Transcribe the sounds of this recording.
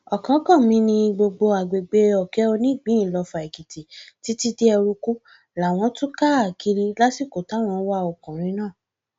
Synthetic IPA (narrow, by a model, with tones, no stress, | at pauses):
ɔ˨kã˨˦kɔ̃˦˨mĩ˨˦nĩ˧ɡ͡bo˧ɡ͡bo˧a˨ɡ͡be˨ɡ͡be˨˧ɔ˨kɛ˨˦o˧nĩ˦˨ɡ͡bĩ˨˦ĩ˦˨lɔ˧fa˨i˨ki˨ti˨ti˨˦ti˦de˦ɛ˧ɾu˧ku˦ | la˨w̃ɔ̃˧˦tũ˦ka˦a˨ki˧ɾi˧la˦si˦˨ko˨ta˨˦˨w̃ɔ̃˧˦wa˦ɔ˨kɔ̃˨ɾ̃ĩ˨˧˦nãː˦˨